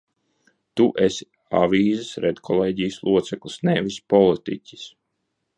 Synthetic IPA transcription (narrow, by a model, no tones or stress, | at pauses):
t̪uʔesi̥ | a̰viːzɨsɾɛd̪kʰɔlˠeːɟijslˠuɔt̪sɛklˠisnevispɔlˠit̪ḭcʲi̥s